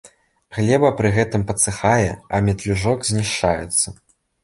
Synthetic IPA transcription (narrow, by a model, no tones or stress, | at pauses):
ɣlʲɛbɐpɾɨɣɛt̪ɨmpɐt̪sɨxajɛ̰ɐmʲɛt̪lʲuʐɔkzʲnʲiʂt͡ʂajɛt̪sːɐ